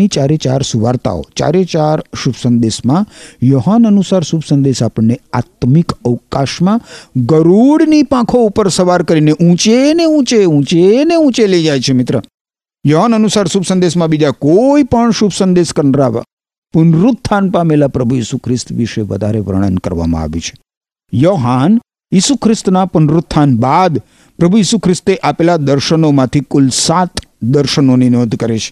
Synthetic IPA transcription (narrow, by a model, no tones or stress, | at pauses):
it͡ʃaɾet͡ʃa̰ɾsuʋa̰ːɾt̪a̰o̰t͡ʃa̰ːɾet͡ʃaɾʃubsənd̪esmãjoːɦanənusaɾsubsə̃nd̪esapəɳneaːt̪mɪkəʋkaʃmãɡəɾuɽnipãkʰoupəɾsəʋaːɾkəɾineʔũt͡ʃeneũt͡ʃeũːt͡ʃeneũːt͡ʃeled͡ʒajt͡ʃʰemɪt̪ɾə | joɦanənusaːɾʃubsə̃nd̪esmãbid͡ʒakoipəɳʃubsənd̪eʃkəɾnəɾaʋa̰ | pʊnɾʊt̪ʰːanpamelapɾəbʱujisukʰɾɪst̪ʋiʃeʋə̰d̪ʱaɾeʋɾə̰ɳ̃ə̰nkə̰ɾʋa̰mã̰a̰ʋṵt͡ʃʰe̥ | joɦan | jisukʰɾɪst̪napʊnɾʊt̪ʰːanbad̪ | pɾəbʱujiːsukʰɾɪst̪eʔapelad̪əɾʃənomãt̪ʰikʊlsat̪d̪əɾʃənoninod̪ʱkəɾet͡ʃʰe̥